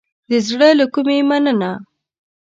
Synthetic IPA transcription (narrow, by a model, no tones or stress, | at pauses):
d̪əzɽəlakumemanəna